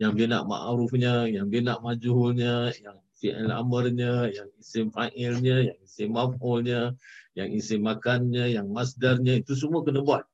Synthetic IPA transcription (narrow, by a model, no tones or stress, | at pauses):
jaŋbina̰ʔma̰ʔɾufɲəjaŋbinaʔmad͡ʒuɦulɲəjaŋ | fiʔɛ̰la̰mərɲəjaŋisɪmfaʔɛlɲəjaŋisɪmːafɔlɲəjaŋisɪmːakanɲəjaŋmasdarɲəit̪us̬əmuakənəbuat̪̚